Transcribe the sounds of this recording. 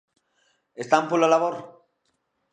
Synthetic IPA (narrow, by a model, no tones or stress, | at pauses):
est̪ampulalaβoɾ